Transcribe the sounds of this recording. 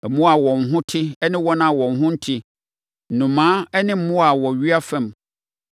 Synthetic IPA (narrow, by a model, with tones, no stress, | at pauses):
ɛ˨mũ˦a˨wɔ̃˨n˨ɦʊ̃˦tʰɪ˦ɛ˦nɪ̃˦wɔ˦nã˦a˨wɔ̃˨nɦʊ̃˦n̩˦tʰi˦˨ | nũ˨mãː˨˦ɛ˦nɪ̃˦m̩˦mʊ̃˦a˨wɔ˨ɥi˦a˦fɛ̃˦˨m